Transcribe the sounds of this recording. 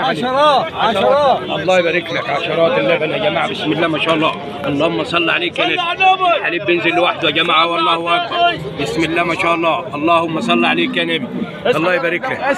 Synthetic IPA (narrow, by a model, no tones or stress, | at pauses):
iɾˤɑ | ʔɑlˤːɑːjbæɾiklakʕaʃɑɾˤɑːt̪ɪlːabænʔæd͡ʒæmaʕabɪsmɪlːæːmæʃaːʔɑlˤːɑː | ʔɑlˤːɑːhʊmːæsˤɑlːʕaleːkːænɪħaliːbːɪnzɪlːwaħd̪uæd͡ʒæmaʕhawɑlˤːɑːhʊwæʔækfɑ | bɪsmɪlːæːmæʃaːʔɑlˤːɑːʔɑlˤːɑːhʊmːæsˤɑlːʕaleːkːænɪm | ɑlˤːɑːjbæɾiklak